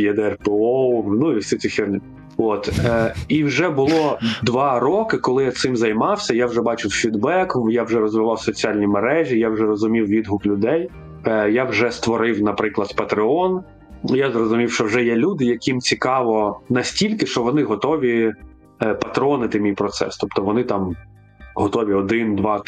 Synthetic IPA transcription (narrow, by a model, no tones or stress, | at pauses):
jɛd̪ɛrpeɔwnuiwsʲisʲifʲirnʲɪ | ot̪iwʒɛbʊlˠɔd̪ʋɑɾɔkɪkɔlˠɪjat̪sɪmzɐjmɑwsʲɐjawʐɛbɑt͡ʃɪwfʲid̪bɛkɔjawʒɛɾɔzʋɪʋɑwsɔt͡sʲialʲnʲimeɾɛʒʲijawʒɛɾɔzʊmʲiwʋʲid̪ɦʊklʲʊd̪ɛj | jawʒɛst̪ʋɔɾɪwnɐpɾɪklˠɐd̪pɐt̪ɾɪɔn | jazrɔzʊmʲiwʃt͡ʃɔwʒɛjɛlʲud̪ɪjɐkimt͡sʲikɑʋɔnɐsʲtʲilʲkɪʃt͡ʃɔʋɔnɪɦɔt̪ɔʋʲi | pɐt̪ɾɔnɪt̪ɪmʲijpɾɔt̪sɛ̰st̪ɔpt̪ɔʋɔnɪt̪ɑm | ɦɔt̪ɔʋʲiɔd̪ɪnd̪ʋɑ